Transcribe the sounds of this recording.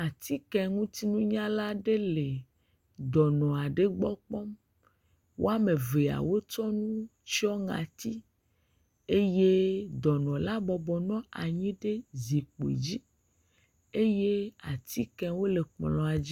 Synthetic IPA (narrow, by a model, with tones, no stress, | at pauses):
a˨t̪i˦kɛ˨ŋũ˦t̪i˦nũ˦ɲã˦la˦ɖe˦le˨ | d̪ɔ˨nɔ̃˨a˨ɖe˦ɡ͡bɔ˦k͡pɔ˦m | wo̰˦a˦me˨ve˨a̰˨wo˦t͡ʃɔ˦nũ˦t͡ʃɔ˦ŋã̰˨t̪i˦ | e˦je˦d̪ɔ˨nɔ̃˨la˦bɔ˨bɔ˨nɔ̃˦a˨ɲĩ˦ɖe˦zi˨k͡pḛ˨d͡ʑi˦ | e˦je˦a˨t̪i˦kɛ̃˦wo˦le˨k͡plɔ̃˨a˨d͡ʑi˦